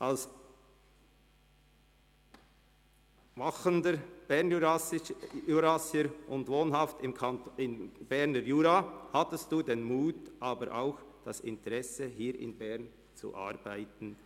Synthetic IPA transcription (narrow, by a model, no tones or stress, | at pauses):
ʔals | maχəndəb̥ɛɐn | uɾasəɾʔʊndvoːnɦɑftɪmkʰɪnb̥ɛʁnəɾjuːɾahɑtəstd̥uːdenmuːtʔaːbəɾʔa̰ʊxd̥ɑsɪ̰ntəʁɛsəɦiːɾɪ̰nbɛʁn | t͡sṵʔa̰ɾb̥aɪtn̩